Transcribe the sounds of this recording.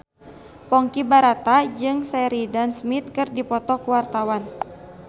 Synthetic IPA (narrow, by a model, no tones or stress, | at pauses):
pɔŋkibaɾat̪ad͡ʒɨŋsɛɾidansmit̪̚kɨrdipɔt̪ɔkuwart̪awan